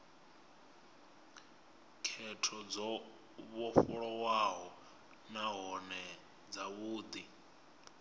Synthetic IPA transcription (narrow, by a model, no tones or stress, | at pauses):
kʰɛtʰɔd͡zɔ | βɔɸuɺɔwaɦɔ | naɦɔnɛ | d͡zaβuːd̪i